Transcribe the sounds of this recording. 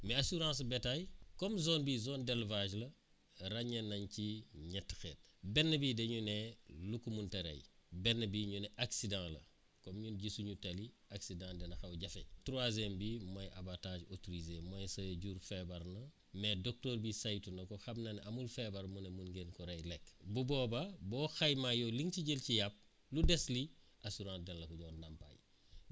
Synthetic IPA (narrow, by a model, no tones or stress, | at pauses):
mɛasuɾãːsbetajkɔmzoːnbizoːndɛlvaʒlɐ | ɾɐɲɐnːɐɲciɲɛtːxɛːt̚bɛnːəbiːdeɲunelukumuntɐɾɐ̰jbɛnːəbiːɲunɛʔaksidãŋlɐ̰ | kɔmɲunɟisuɲutɐli | aksidãːdɛnɐxɐwɟɐfetɾuazembimojabatad͡ʒotoɾizemojsɐɟuɾfebaɾnɐ | medok̚toːɾbisajtunɐkɔxabnɐnamulfebaɾmunemunɡenkɔɾejlekbubɔːbabɔːxajmajoliŋciɟelcijap̚ | ludesli | ʔasuɾãːdɛnlɐkuɟɔndampa̰j